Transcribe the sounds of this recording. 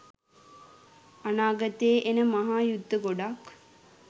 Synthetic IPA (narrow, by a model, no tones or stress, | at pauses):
anaːɡɐt̪eʔenəmaɦaːjud̪ːəɡoɖak